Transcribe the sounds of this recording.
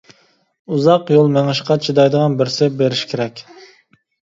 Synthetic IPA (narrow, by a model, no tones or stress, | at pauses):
uzɑqjolˠmɛŋɨʃqɑt͡ʃʰid̪ɑjd̪əʁɑnbɪɾsɪbeɾɪʃkʲʰeɾɛkʲ